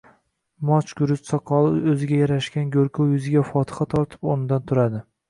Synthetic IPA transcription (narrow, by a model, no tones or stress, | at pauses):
mɒt͡ʃʰɡʲʊɾʊst̪sɒqʰɒlˠɪɵzɪɡʲajaɾaʃkʲanɡʲɵɾkʰowjʊzɪɡʲafɒt̪ʰɨ̥χat̪ʰɒɾt̪ʰɪ̥pɒnɪd̪ant̪ʰʊɾad̪ɪ